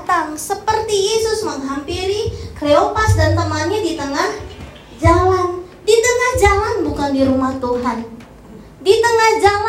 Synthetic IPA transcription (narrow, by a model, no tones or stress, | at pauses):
t̪aŋsəpərt̪ijesʊsməŋɦampiɾiɡ̥ɾeopasdant̪əŋahɲadit̪əŋah | d͡ʒalan | dit̪əŋahd͡ʒalanbukandiɾumaht̪uɦan | dit̪əŋahd͡ʒal